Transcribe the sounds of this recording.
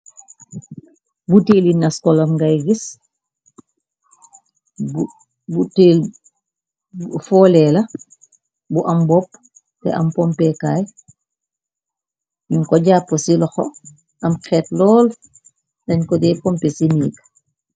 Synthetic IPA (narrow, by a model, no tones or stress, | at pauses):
buteːlinɐskɔlɐmɡajɡis | buteːl | fɔːlɛlɐ | buʔɐmbɔp̚ | tɛ̰ʔɐ̰mpɔmpɛkaːj | ɲuŋkɔɟaːpːosilɔxɔ̰ | ɐmxɛːtlɔːl | dɐɲkɔdɛpɔmpɛsiniɡ